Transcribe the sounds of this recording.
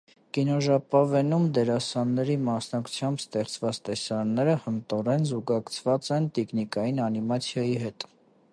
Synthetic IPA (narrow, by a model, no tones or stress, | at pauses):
kinɔʒɑpɑvɛnumd̪ɛɾɑsɑnːɛɾimɑsnɑkʰu̥t͡sʰjɑmbst̪ɛχt͡svɑt͡st̪ɛsɑɾnːɛɾəhənt̪ɔɾɛnzuɡɑkt͡sʰvɑt͡sɛnt̪ikʰnikɑjinɑnimɑt͡sʰjɑjiɦɛt̪